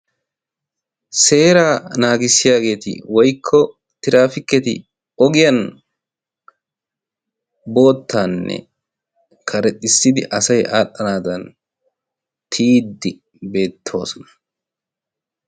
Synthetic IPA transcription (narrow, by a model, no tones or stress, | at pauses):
se̞ːɾaːnaːɡɪsːɪjaːɡe̞ːt̪ɪ̰wɔjkʰːɔ | t̪ɪɾaːfɪkːɛt̪ɪ̰ | ɔɡɪjɐn | bo̞ːt̪ʰːanːɛ̰ | kʰɐɾɛt̪ʼːɪsːɪd̪ɪ̰ʔɐsɐjʔaːɗːɐnaːd̪ɐn | t̪ʰiːd̪ːɪ | be̞ːt̪ʰːo̞ːsɔnɐ̥